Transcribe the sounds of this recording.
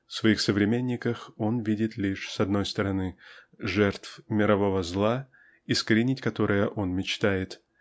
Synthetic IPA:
fsvɐixsəvɾʲɪmʲenʲːɪkəxo̞nvʲidʲɪt̪lʲiʂsɐd̪no̞jst̪əɾɐnɨ | ʐɛrt̪fmʲɪɾɐvo̞vəzlˠa | iskəɾʲɪnʲɪtʲkɐt̪o̞ɾɨjəʔo̞nmʲɪt͡ɕt̪ajɪt̪

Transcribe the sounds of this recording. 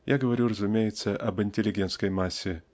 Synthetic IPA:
jʔaɡəvɐɾʲurəzʊmʲejɪt̪səʔɐbɨnʲtʲɪlʲɪɡʲe̞nt̪skəjmasʲːɪ

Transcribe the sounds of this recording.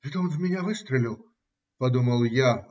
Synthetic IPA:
ɣɛt̪ɐɔnzmʲɛnʲavɨst̪ɾɐlʲiwˠ | pad̪umɐlˠja

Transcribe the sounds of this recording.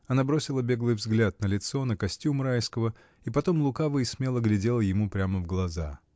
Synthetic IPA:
ɐnabɾosʲɪlˠəbʲe̞ɡlˠɨjvzɡlʲat̪̚nəlʲɪt̪so̞nəkɐsʲtʲjumɾajskəvə | ipɐt̪o̞mlˠʊkavɨismʲe̞lˠəɡlʲɪdʲe̞lˠəjɪmupɾʲaməvɡlˠɐza̰

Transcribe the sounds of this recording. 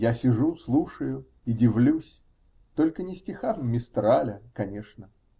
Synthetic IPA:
jasʲɪʐuslˠuʂəjʊ | idʲɪvlʲusʲ | t̪o̞lʲkənʲɪsʲtʲɪxafmʲɪst̪ɾalʲəkɐnʲeʂnə

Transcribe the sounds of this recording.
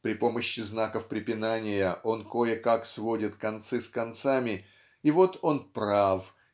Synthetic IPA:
pɾʲɪpo̞məɕːɪznakəfpɾʲɪpʲɪnanʲɪjəʔo̞nko̞jɪkaksvo̞dʲɪt̪kɐnt̪sɨskɐnt̪samʲɪ | ɪvo̞t̪o̞npɾaf

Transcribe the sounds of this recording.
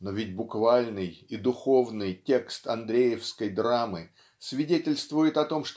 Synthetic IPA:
novʲɪt̚ʲbʊkvalʲnɨjid̪ʊxo̞vnɨjtʲe̞kst̪ɐnd̪ɾʲejɪfskəjd̪ɾamɨ | svʲɪdʲetʲɪlʲst̪vʊjɪt̪ɐt̪o̞mʂt̪

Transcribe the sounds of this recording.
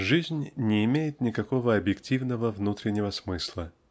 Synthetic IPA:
ʐɨzʲnʲnʲɪːmʲejɪt̪nʲɪkɐko̞vəɐbjɪktʲivnəvəvnut̪ɾʲɪnʲːɪvəsmɨslˠə

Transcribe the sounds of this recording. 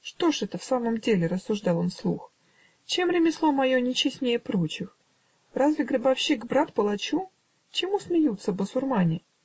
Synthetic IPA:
ʂt̪o̞ʂɛt̪əfsaməmdʲelʲɪɾəsːʊʐd̪ɑlˠonslˠux | t͡ɕe̞mɾʲɪmʲɪslˠo̞mɐjonʲɪt͡ɕɪsʲnʲejəpɾo̞t͡ɕɪx | razvʲɪɡɾəbɐfɕikbɾat̪pəlˠɐt͡ɕu | t͡ɕɪmusmʲɪjut̪səbəsʊrmanʲɪ

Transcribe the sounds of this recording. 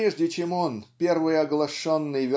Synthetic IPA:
eʐdʲɪt͡ɕemonpʲe̞rvɨjɐɡlˠɐʂonːɨjvʲɪ

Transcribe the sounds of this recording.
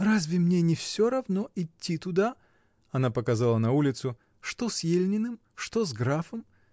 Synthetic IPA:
razʲvʲɪmnʲenʲɪfsʲoɾɐvnoʔɪtʲːit̪ʊd̪a | ɐnapəkɐzalˠənɐulʲɪt̪sʊ | ʂt̪osjelʲnʲɪnɨm | ʂt̪ozɡɾafəm

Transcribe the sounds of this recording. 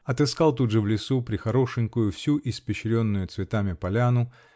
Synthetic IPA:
ɐt̪ɨskalˠt̪udʐəvlʲɪsupɾʲɪxɐɾo̞ʂɨŋʲkʊjʊfsʲuʔɪspʲɪɕɾʲo̞nːʊjʊt̪svʲɪt̪amʲɪpɐlʲanʊ

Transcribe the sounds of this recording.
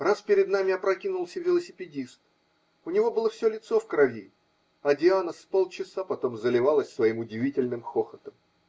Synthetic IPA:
raspʲɪɾʲɪd̪namʲɪjapɾɐkʲinʊlˠsʲəvʲɪlˠəsʲɪpʲɪdʲist̪ | ʊnʲɪvo̞bɨlˠəfsʲolʲɪt̪sofkɾɐvʲi | ɐdʲɪanəspo̞lˠt͡ɕɪsapɐt̪o̞mzəlʲɪvalˠəsʲsvɐimʊdʲɪvʲitʲɪlʲnɨmxo̞xət̪əm

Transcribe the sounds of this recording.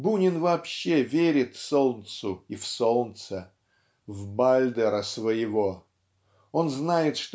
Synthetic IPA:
bunʲɪnvɐːpɕːevʲeɾʲɪt̪fso̞lˠnt̪sʊifsolˠnt̪sə | vbalʲd̪əɾəsvəjɪvo | o̞nznajɪt̪ʂt̪

